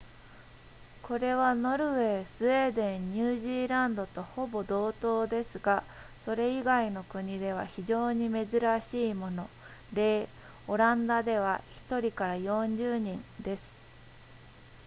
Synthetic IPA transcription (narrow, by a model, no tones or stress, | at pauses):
kʰo̞ɾe̞βano̞ɾɯ̟βe̞ːsɨe̞ːd̪ẽ̞ɲɲɨːʑiːɾãnd̪o̞t̪o̞ho̞bo̞d̪o̞ːt̪o̞ːd̪e̞sɨɡa | so̞ɾe̞iɡaino̞kɯ̟ɲ̟id̪e̞β̞a̰çiʑo̞ːɲ̟ime̞zɨɾaɕiːmo̞no̞ | ɾe̞ː | o̞ɾãnd̪ad̪e̞β̞açi̥t̪o̞ɾʲikaɾajõ̞ɲd͡ʑɨːɲ̟ĩnd̪e̞sɨ̥